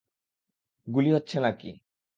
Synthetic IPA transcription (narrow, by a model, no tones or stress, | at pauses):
ɡuliɦotːɕʰenakḭ